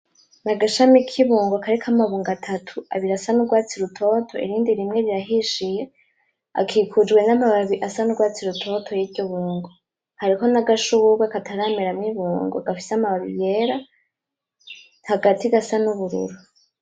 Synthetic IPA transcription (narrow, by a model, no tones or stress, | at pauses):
naɡaʃamikʰiβuːŋɡokʰaɾikʰamaβuːŋɡatʰatʰua̰βiɾasanuɡwaːt͡siɾutʰo̞tʰo̞ḭɾiːndiɾimŋe̞ɾiɾaɦiʃije̞ | a̰kʰiːkʰud͡ʒɡwe̞namaβaβiʔasanuɡwaːt͡siɾutʰo̞tʰo̞jivɟoβuːŋɡo | haɾiko̞naɡaʃuβuɡwakatʰaɾaːmeɾamŋiβuːŋɡoaɡafi̥seamaβaβḭje̞ɾa | haɡatiɡasanuβuɾṵɾu